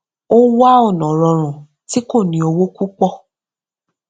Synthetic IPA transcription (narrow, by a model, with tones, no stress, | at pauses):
o˦wa˦ɔ˦˨nɔ̃˨ɾɔ˧ɾ̃ũ˨ | ti˦ko˦˨nĩ˧˦o˧wo˦ku˦k͡pɔ˦˨